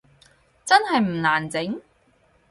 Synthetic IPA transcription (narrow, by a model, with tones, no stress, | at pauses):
t͡sɐ˥nɦɐ˨jm̩˨˩laː˨˩nt͡sɪ˨˥ŋ